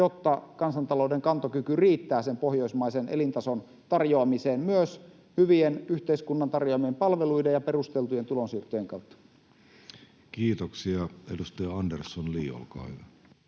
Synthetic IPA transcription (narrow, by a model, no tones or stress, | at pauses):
jot̪ːɑkɑnsɑnt̪ɑloudeŋkɑnt̪okykyriːt̪ːæːsempohjoismɑisenḛlint̪ɑson | t̪ɑrjoɑmiseːnmyøs | hyʋienyht̪eiskunːɑnt̪ɑrjoɑmiempɑlʋeluidejjɑperust̪elt̪ujent̪ulonsiːrt̪ˑøjeŋkɑut̪ːɑ̥ | kiːt̪oksiɑedust̪ɑjɑɑndersːonliːo̰lkɑ̰ːhyʋæ